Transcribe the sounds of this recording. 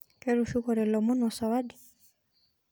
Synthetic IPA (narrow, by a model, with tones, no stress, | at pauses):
kɛ˦ɾu˨ʃu˦kɔɾɛ˨lɔ˨mu˦nɔ˨sa˨wadi˨